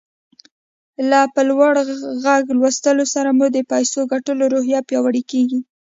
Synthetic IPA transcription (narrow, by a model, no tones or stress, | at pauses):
lapəlwaɽɣaɡlwast̪əlosaɾamud̪əpajsoɡaʈəloɾoɦjɑpjɑwaɽikeɡi